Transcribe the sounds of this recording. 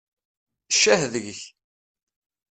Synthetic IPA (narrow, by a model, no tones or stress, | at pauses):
ʃːæhðəʝəç